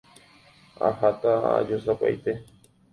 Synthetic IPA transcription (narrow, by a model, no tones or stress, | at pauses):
a̰hat̪aa̰d͡ʒosapa̰jt̪e